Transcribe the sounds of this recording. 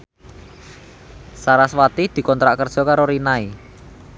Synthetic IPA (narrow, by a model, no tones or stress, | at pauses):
saɾaswat̪id̪̥i̤kɔnt̪ɾaʔkər̥ʒ̥ɔ̤kaɾoɾinai